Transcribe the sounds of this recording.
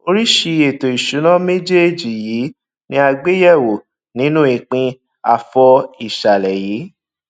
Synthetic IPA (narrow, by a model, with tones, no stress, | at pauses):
o˧ɾi˦ʃi˧e˨to˨i˨ʃu˨˦nã˦me˦d͡ʒe˦˨d͡ʒi˨jiː˨˦ | nĩ˦a˧ɡ͡be˦jɛ˦˨wo˨ | nĩ˨˦nũ˦i˨k͡pĩ˧ | a̰˨fɔ˧i˨ʃa˨lɛ˨jiː˨˦